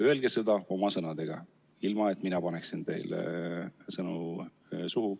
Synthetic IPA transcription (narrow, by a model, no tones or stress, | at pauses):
yelɡ̥esɤd̪̥ɑo̞mɑsɤnɑd̪e̞ɡ̥ɑ | ilmɑet̪ːˑminɑpɑneksint̪e̞̰jl | sɤnu | suɦu